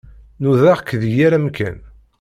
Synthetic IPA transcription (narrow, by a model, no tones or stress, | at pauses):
nuðaʁkːðjaɾæmkæ̰n